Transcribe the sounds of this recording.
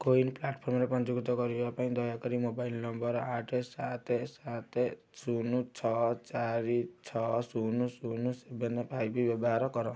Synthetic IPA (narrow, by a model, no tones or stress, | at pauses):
koinplaʈpʰormɾepʌnd͡ʒuɡt̪ɔɡʌɾiapaĩd̪ʌjakɔɾimobajlnʌmbʌɾaʈʰesat̪ʰesat̪ʰe | sunut͡sʰʌt͡saɾit͡sʰʌsunusunusebenːepʰajbibebɦaɾʌkʌɾã